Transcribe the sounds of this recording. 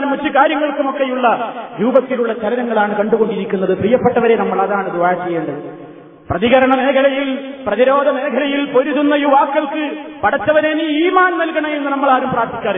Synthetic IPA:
nɐmɐt͡ɕːukaːɾjɐŋːɐɭkumo̞kːe̞juɭːɐɾuːbɐt̪ːiluɭːɐt͡ɕɐlɐnɐŋːɐɭaːɳɨkɐɳɖuɣo̞ɳɖiɾikʲːunːɐðɨprijɐpːeʈːɐʋɐɾe̞nɐmːɐɭɐðaːɳɨd̪ʋaːɾt͡ɕːejːeːɳɖɨ | prɐðiɣɐɾɐɳɐne̞ːkʰɐlɐjilprɐðiɾo̞ːd̪ɐne̞ːkʰɐlɐjilpo̞ɾuðunːɐjuʋaːkːɐlkɨpɐɽɐt̪ːɐʋɐneːniiːmaːnnɐlkɐɳɐje̞nːunɐmːɐɭaːɾumpraːɾt̪ʰi̥kʲːaːɾ

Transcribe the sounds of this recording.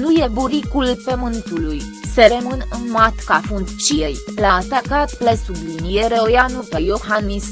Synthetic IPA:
nuje̞buɾikulpemɨnt̪ulujse̞ɾemɨnɨnmat̪kafund̪t͡ʃijejlaːt̪akat̪plesulujnjeɾeojanupejohanis

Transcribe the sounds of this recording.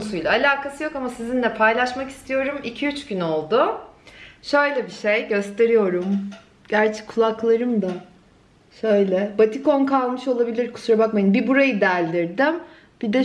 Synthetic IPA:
sujlʲaːlʲaːkʰasɯjo̞kamasizinlʲɛpʰajlˠaʃmaki̥st̪ʰijo̞ɾumicʰiyt͡ʃɟyno̞lˠd̪ʊ | ʃø̞jlʲɛbiʃejɟø̞st̪ʰe̞ɾijo̞ɾum | ɟ̥æɾt͡ʃʰɛ̥kʰːulˠaklˠaɾɯmd̪a | ʃø̞jlʲɛbat̪ʰiko̞nkʰalˠmɯʃo̞lˠabilʲiɾkʰu̥suɾabakmajɯnbibuɾajɯd̪ælʲd̪iɾd̪ɪm | b̥id̪ɛ

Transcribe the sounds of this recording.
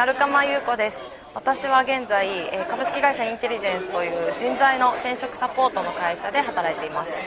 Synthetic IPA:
naɾɯ̟kamajɯ̟ːko̞d̪e̞sɨ̥ | βat̪aɕiβaɡẽ̞nd͡zaiekabɯ̟ɕi̥kʲiɡaiɕaĩnt̪e̞ɾʲiʑẽ̞ɰ̃sɨ̥t̪o̞jɯ̟ːd͡ʑĩnd͡zaino̞t̪ẽ̞ɰ̃ɕo̞kɯ̟̥sapo̞ːt̪o̞no̞kaiɕad̪e̞ɦat̪aɾait̪e̞imasɨ̥

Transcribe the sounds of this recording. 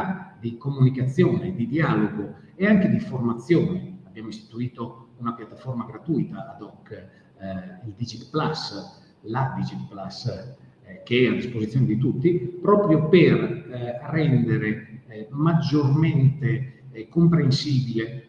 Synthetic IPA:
d̪ikomunikat̪sːjɔːned̪id̪iaːloɡo | eaŋked̪iformat̪sːjɔːneabːjaːmoist̪i̥t̪uiːt̪ounapjat̪ːafɔrmaɡɾat̪ujt̪aːd̪ɔkː | ild̪id͡ʒit̪plas | lad̪id͡ʒit̪plas | k̟eɛad̪ispozit̪sjoned̪it̪ut̪ːipɾɔːpɾjoperrɛnd̪eɾemad͡ʒːorment̪ekompɾensiːbile

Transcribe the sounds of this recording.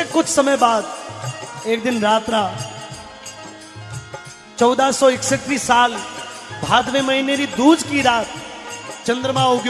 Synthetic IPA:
kʊd͡ʒsəməjbad̪ | ek̚d̪ɪnɾaːt̪ɾa | t͡ʃəwd̪asoɪksət̪ːɾisal | bʱad̪ʋeməɦineɾid̪ud͡ʒkiɾaːt̪̚t͡ʃə̃nd̪ɾəmãoɡj

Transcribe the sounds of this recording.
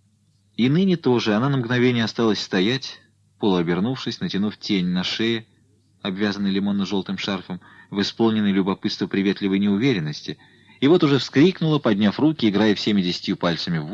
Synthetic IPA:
inɨnʲɪt̪o̞ʐɨɐnanəmɡnɐvʲenʲɪjɐst̪alˠəsʲst̪ɐjætʲ | polˠʊɐbʲɪrnufʂɨsʲnətʲɪnuftʲenʲnɐʂɛjɪ | ɐbvʲazənːəjlʲɪmo̞nːəʐo̞lˠt̪ɨmʂarfəm | vɨspolˠnʲɪnːəjlʲʊbɐpɨt̪st̪vəpɾʲɪvʲet̪lʲɪvəjnʲɪʊvʲeɾʲɪnːəsʲtʲɪ | ɪvo̞t̪ʊʐɛfskɾʲiknʊlˠəpɐdʲnʲafrukʲɪːɡɾajəfsʲemʲɪdʲɪsʲɪ̥tʲjupalʲt̪səmʲɪv

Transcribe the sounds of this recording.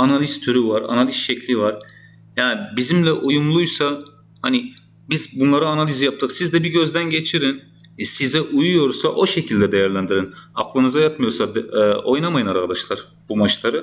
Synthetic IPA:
analʲist̪ʰyɾyvaɾa̰nalʲisʃɛclʲivaɾ̥ | jaːnibizimlʲɛʔujumlˠujsa | hani | bizbunlˠaɾɯanalʲizijap̚t̪ʰɯksizd̪ɛbiɟø̞zd̪ænɟe̞t͡ʃʰiɾin | sizɛʔujujo̞ɾsaʔo̞ʃe̞cʰilʲd̪ɛd̪ejæɾlʲænd̪iɾinaklˠɯnɯzajat̪mɯjo̞ɾsad̪o̞jnamajɯnaɾkʰad̪aʃlˠaɾ̥ | bumat͡ʃlˠaɾɯ

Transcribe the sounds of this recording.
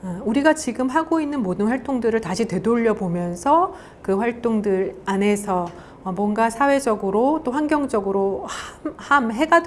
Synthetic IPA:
uɾiɡat͡ɕiɡɯmɦaɡoinːɯnmodɯnɸwaɭt͈oŋdɯɾɯɭtaɕʰite̞doʎːʌbomjʌnsʰʌ | kɯɸwaɭt͈oŋdɯɾane̞sʰʌː | mwʌnɡasʰawe̞d͡ʑʌɡɯɾot͈oɸwaŋɡjʌŋd͡ʑʌɡɯɾohmhamɦe̞ɡad

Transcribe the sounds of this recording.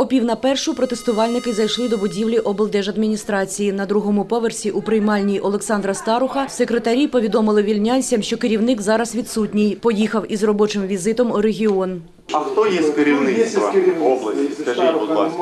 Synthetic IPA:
ɔpʲiwnɐpɛrʃʊpɾɔt̪est̪ʊʋɑlʲnɪkɪzɐjʃlˠɪd̪ɔbʊdʲiwlʲiʔɔbelˠd̪ɛʒɐd̪mʲinʲist̪ɾɑt͡sʲijinɐd̪ɾuɦɔmʊpɔʋersʲiʔupɾɪjmɑlʲnʲijʔɔlˠeksɑnd̪ɾɐst̪ɑɾʊxɐsekɾet̪ɐɾʲipɔʋʲid̪ɔmɪlˠɪʋʲilʲnʲanʲsʲɐmʃt͡ʃɔkɪɾʲiwnɪkzɑɾɐzʋʲit̪sutʲnʲijpɔjixɐwizrɔbɔt͡ʃɪmʋʲizɪt̪ɔmʊɾeɦʲiɔn | ɐxt̪ɔjɛsʲtʲkeɾʲiwnɪsʋɐɔblˠɐsʲiskɐʒitʲbɔd̪lˠɑ̰s

